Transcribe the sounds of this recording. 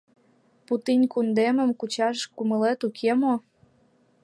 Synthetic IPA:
put̪inʲkund̪emə̆mkut͡ɕɑʃkumə̆let̪ukʰemo

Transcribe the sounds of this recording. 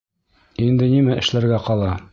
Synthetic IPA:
ind̪ɘ̆nimæʔɘ̆ʃlæɾɡæqɒlˠɑ

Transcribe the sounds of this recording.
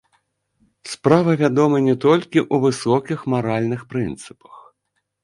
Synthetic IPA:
spɾavɐvʲad̪ɔmɐnʲɛt̪ɔlʲkʲiʔuvɨsɔkʲixmaɾalʲnɨxpɾɨnt̪sɨ̥pɐ̥x

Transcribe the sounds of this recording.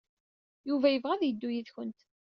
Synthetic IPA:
juvæjəvʁæðjəd̪ːujiðçənt̪

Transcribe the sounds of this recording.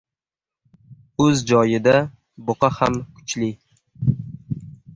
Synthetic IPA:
ɵzd͡ʒɒjɪd̪a | boqɑhamkʰʊ̥t͡ʃli

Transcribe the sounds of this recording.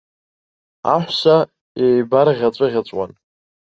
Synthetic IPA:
a̰ħʷsa | ejbaɾʁʲat͡sʷʼɨʁʲat͡sʷʼwa̰n

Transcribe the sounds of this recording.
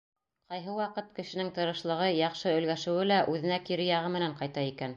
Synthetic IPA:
qɑjɦɤwɑqɤt̪̚kɘ̆ʃɘ̆nɘŋt̪ɤ̆ɾɤ̆ʃlˠɤ̆ʁɤjɑqʃɤɵ̆lɡæʃɘ̆wɘlæʔʉðɘ̆nækiɾɘjɑʁɤmɘ̆næɴqɑjt̪ɑikæn

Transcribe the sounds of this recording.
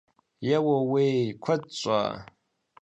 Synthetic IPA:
jawawekʷʰət͡ʃʷʼa̰ː

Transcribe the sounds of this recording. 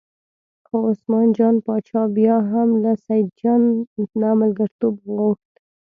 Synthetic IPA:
xoosmɑnd͡ʒɑnpɑt͡ʃɑbjɑɦamlasajd̪̚d͡ʒɑnːamalɡaɾt̪ubɣoxt̪

